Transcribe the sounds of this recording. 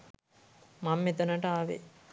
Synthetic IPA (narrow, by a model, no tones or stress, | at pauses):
mamːet̪ɐnəʈɐaʋḛ